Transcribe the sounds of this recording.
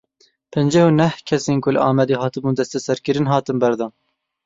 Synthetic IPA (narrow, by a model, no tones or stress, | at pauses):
pʰɛnd͡ʒɛhunɛhkʲʰɛseːnkʊlʔɑːmɛd̪eːɦɑːt̪ɨbuːnd̪ɛst̪ɛsɛɾkɨɾɨnɦɑːt̪ɨnbɛɾd̪ɑː